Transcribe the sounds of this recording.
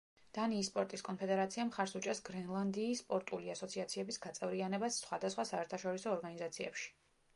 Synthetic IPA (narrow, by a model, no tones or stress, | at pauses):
d̪̥aniːspʼɔɾt̪ʼiskʼɔnpʰɛd̪ɛɾat̪sʰiamχaɾsut͡ʃʼɛsɡɾɛnlˠand̪iːspʼɔɾt̪ʼuliasɔt̪sʰiat̪sʰiɛbisɡat̪sʼɛvɾianɛbasːχwad̪asχwasaɛɾt̪ʰaʃɔɾisɔːɾɡanizat̪sʰiɛ̰pʃi̥